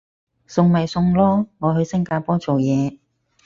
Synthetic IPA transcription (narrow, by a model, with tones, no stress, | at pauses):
sʊ˧ŋmɐ˨˩jsʊ˧ŋlɔː˥ŋɔː˨˧ɦɵ˧ɥsɐ˥ŋkaː˧pɔː˥t͡so˨wjɛː˨˧